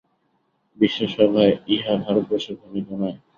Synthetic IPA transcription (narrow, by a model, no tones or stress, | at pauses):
biʃːoʃɔbʱaeiɦabʱaɾot̪̚bɔʃeɡʱonit̪ɔnae